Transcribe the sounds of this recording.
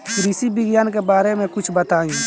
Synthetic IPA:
kɾɪsibɪɡjaːnkebaːɾemẽkʊt͡ʃʰbət̪aːĩ

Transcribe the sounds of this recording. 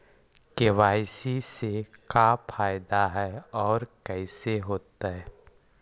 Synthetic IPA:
keʋaːɪsisekapʰaːjd̪aɦɛɔːɾkɛːseɦoːt̪aɦɛː

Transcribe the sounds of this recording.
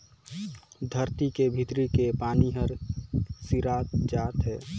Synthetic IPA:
d̪ʱəɾt̪ikebʱit̪ɾikepaːniɦəɾsiɾaːt̪d͡ʒaːt̪ɦɛː

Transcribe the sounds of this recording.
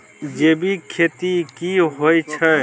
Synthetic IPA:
d͡ʒebikʰet̪ikiɦojt͡ʃʰə

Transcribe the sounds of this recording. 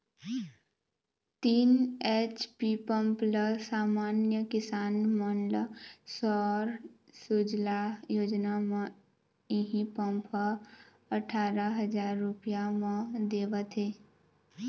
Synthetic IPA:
t̪iːnet͡ʃpipə̃mpləsaːmaːnjəkɪsaːnmənləsɔːɾsud͡ʒlajoːd͡ʒnamã | iɦĩpə̃mpʰə | əʈʰaːɾaɦəd͡ʒaːɾːʊpijamãd̪eːʋət̪ɦeː

